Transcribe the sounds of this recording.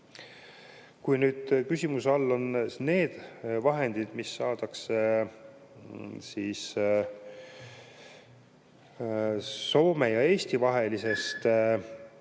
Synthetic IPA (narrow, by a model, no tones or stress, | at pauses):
kujnyːd̪̥kysʲimusɑlːo̞nne̞ːd̪̥vɑɦe̞nd̪̥id̪̥misːɑːd̪̥ɑkse | siːs | so̞ːme̞jɑe̞ːst̪ivɑɦe̞lise̞st̪